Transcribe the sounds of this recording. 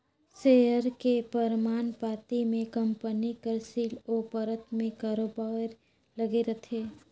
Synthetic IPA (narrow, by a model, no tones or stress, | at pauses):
seːjəɾkepəɾmaːnpaːt̪imẽkɐmpənikəɾsiːlopəɾət̪mẽkaːɾoːbaːɾ | lɐɡeɾɐt̪ʰeː